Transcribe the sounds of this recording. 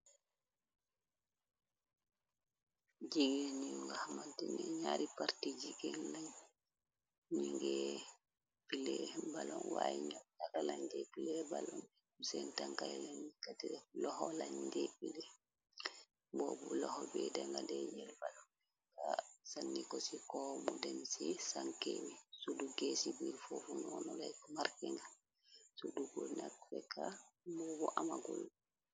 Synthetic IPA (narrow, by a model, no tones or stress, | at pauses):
d͡ʒiɡeniŋɡahmantɛnɛɲaɾipaɾtid͡ʒikɛnlaɲ | ɲiŋɡɛ | pilɛbalɔnwajiɲɔk̚takalaɲdɛpilɛbalɔn | usɛntaŋkajɛlanikatɛlɔhɔlaɲdɛpilɛ | bɔːbulɔhɔbɛdɛŋɡadɛɲɛlbalɔn | ɛ | kasanːikɔsikɔmudɛmsisaŋkewisuduɡesibiɾfofunɔnɔlajkɔmaɾkɛŋɡa | suduɡɔnakfɛkabɔːbuʔamaɡul